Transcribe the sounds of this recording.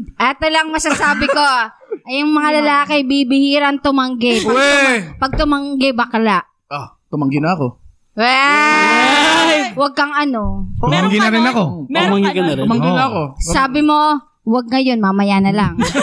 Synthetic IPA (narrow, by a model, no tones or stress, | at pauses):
ʔɛːt̪olɐŋmɐsasaːbɪko̞ɐjʊŋmɐŋalɐlaːkɪbibɪhiːɾɐŋt̪ʊmɐŋɡɛpɐwpɐɡ̚t̪ʊmɐŋɡɛbɐkɐlaʔ | ʔat̪ʊmɐŋɡɪnɐɐko̞ | wɛ | wɐɡ̚kɐŋɐno̞mɐŋɡɪnɐɾɪnɐkomɐŋɡɪkɐnɐmɐŋɪnɐɐkosaːbɪmo̞ | wɐɡ̚ŋɐjo̞nmamɐjanɐlaŋ